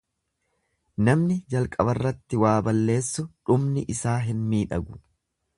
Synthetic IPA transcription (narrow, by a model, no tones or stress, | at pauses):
nɐmnɪd͡ʒɐlkʼɐbɐrːɐt̪ːɪwaːbɐlːe̞ːsːʊᶑʊmnɪʔɪsaːɦɪnmiːᶑɐɡʊ̥